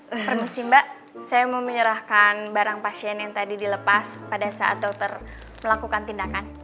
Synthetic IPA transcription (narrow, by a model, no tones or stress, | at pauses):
pərmusimbaʔ | sajamaməɲəɾahkanbaɾaŋpasiɛnjaŋt̪adidiləpaspadasaʔa̰t̪awt̪ər | məlakukant̪indakan